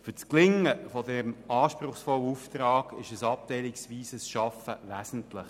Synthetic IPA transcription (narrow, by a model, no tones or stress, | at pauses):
fʏt͡sklɪŋəfɔdɛmɑːʃpɾʊχsfɔləuft̪rɑːɡ̥ɪʃəsɑp̚t̪ɛɪlɪksʋiːsəsʃɑfəvæzən̩tlɪχ